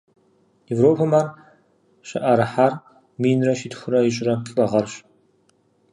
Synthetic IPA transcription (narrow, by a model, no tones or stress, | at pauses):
jevɾoːpʰɐmar | ɕɐʔɐɾɨħar | miːnrɐʃitxʷʊɾɐjɪɕʼrɐpʼɬʼɐʁɐrɕ